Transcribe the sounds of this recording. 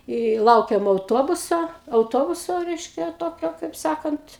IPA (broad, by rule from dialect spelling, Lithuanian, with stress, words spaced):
ɪ ˈlˠɐʊkʲeːm ɐʊˈtoːbʊsoː ɐʊˈtoːbʊsoː ˈrʲɛɪʃʲkʲɛ ˈtoːkʲoː kɐɪp ˈsɑːkɐnt